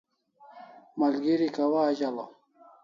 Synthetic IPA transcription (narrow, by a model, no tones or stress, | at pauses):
mɐlɡiɾikawaːd͡ʑala